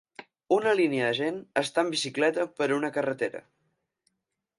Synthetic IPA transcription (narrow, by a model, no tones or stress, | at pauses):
unəliniəðəʒenəst̪aəmbisiklɛt̪əpəɾunəkərət̪eɾə̰